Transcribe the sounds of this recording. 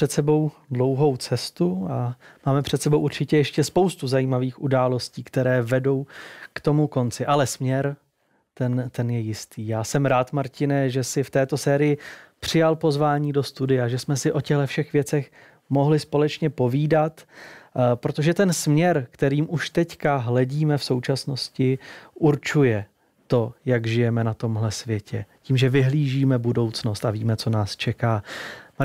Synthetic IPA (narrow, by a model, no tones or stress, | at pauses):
ɛt̪sɛbo̞wdlo̞wɦo̞wt͡sɛst̪uamaːmɛpr̝̥ɛt̪sɛbo̞wʔuɾt͡ʃɪcɛjɛʃcɛspowst̪uzajiːmaviːxʔudaːlo̞sciːkt̪ɛɾɛːvɛdo̞wkt̪o̞muko̞nt͡sɪʔalɛsmɲɛɾ | t̪ɛnt̪ɛnjɛjɪst̪iːjaːsɛmɾaːt̪maɾcɪnɛʒɛsɪft̪ɛːt̪o̞sɛːɾɪjɪpr̥ɪjalpo̞zvaːɲiːdo̞st̪udɪjaʒɛsmɛsɪʔo̞cɛɣlɛfʃɛxvjɛt͡sɛx | mo̞ɦlɪspo̞lɛt͡ʃɲɛpo̞viːdat̪ | pɾo̞t̪o̞ʒɛt̪ɛnsmɲɛɾkt̪ɛɾiːmʔuʃt̪ɛckaɦlɛɟiːmɛfso̞wt͡ʃasno̞scɪʔuɾt͡ʃujɛ | t̪o̞jaɡʒɪjɛmɛnat̪o̞mɦlɛsvjɛcɛciːmʒɛvɪɦliːʒiːmɛbudo̞wt͡sno̞st̪aviːmɛt͡so̞naːst͡ʃɛkaː